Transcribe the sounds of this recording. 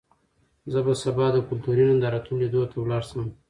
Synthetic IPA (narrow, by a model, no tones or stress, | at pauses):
zəbasabɑd̪əkʊlt̪uɾinand̪ɑɾat̪unled̪ot̪ʰawlɑɽsəm